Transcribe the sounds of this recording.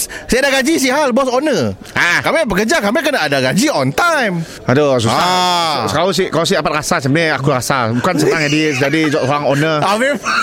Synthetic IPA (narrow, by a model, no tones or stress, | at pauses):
siadaɡad͡ʒis̬iɦalbɔsɔnə | akamibəkəd͡ʒakamekənaadaɡad͡ʒiɔnt̪ajm | ados̬uaskaos̬ikaas̬idapat̪̚ɾasasamneakuɾasabukansət̪aŋadis̬d͡ʒadid͡ʒɔʔsoɾaŋɔnəavɛ